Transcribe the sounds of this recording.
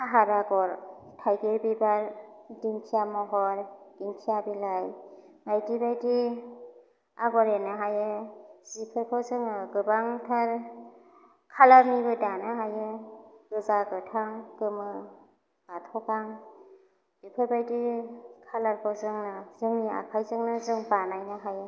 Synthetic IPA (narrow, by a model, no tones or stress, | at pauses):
aɦaɾaɡɔɾ | tʰajɡebibaɾdiŋkʰijamɔɦɔɾd̥iŋkʰijabilaj | ŋajdibajdi | aɡɔɾenɯɦajɯzipʰɯɾkʰɔzɯŋɯɡɯbaŋtʰaɾ | kʰalaɾmibɯdanɯɦajɯɡ̥ɯzaɡɯtʰaŋɡ̥ɯmɯ | ɡatʰɔkaŋ | bipʰɯɾbajdikʰalaɾkʰawzɯŋnɯzɯŋnia̰kʰajzɯŋnɯzɯŋbanajnɯɦajɯ